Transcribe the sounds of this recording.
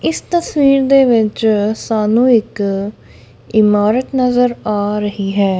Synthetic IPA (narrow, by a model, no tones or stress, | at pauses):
ɪst̪əswiːɾd̪eːʋɪt͡ʃsaːnũːɪk | ɪmaːɾət̪nəzəɾaːɾəɦiːɦɛː